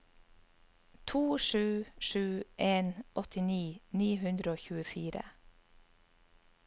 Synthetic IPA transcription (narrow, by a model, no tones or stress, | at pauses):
t̪ʰuːʃʉːʃʉːʔeːnʔɔt̪ɪniːniːhʉnd̪ɾəoːçʉːəfiːɾə̰